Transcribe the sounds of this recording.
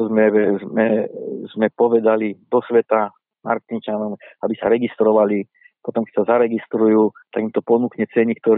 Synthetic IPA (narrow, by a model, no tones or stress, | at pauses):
zmɛmɛzmɛpɔʋɛd̪alid̪ɔsʋɛt̪a | ma̰ɾt̪int͡ʃanɔmabisaɾɛɡist̪ɾɔʋali | pɔt̪ɔmkɛ̥csazaɾɛɡist̪ɾujuːt̪aɡimt̪ɔpɔnuːkɲɛt͡sɛɲik̚t̪ɔɾ